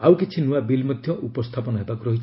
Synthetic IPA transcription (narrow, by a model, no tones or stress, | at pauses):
awkit͡ʃʰinuabilmɔd̪ʱjɔʔupɔst̪ʰapɔnɔɦebakuɾɔɦit͡ʃʰ